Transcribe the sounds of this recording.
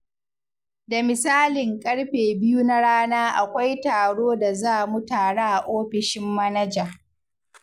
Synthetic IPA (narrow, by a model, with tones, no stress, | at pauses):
da˨mɪ˨saː˦lɪ˨ŋkʼɐ˦ɽɸeː˨bɪ˦ju˦na˦ɽaː˦naː˦ʔa˨kʷa˦jtaː˨ɽoː˦da˨zaː˦˨mu˦taː˨ɽaː˦˨ʔoː˦ɸɪ˨ʃɪ˦mːɐ˦nɐ˦d͡ʒaː˨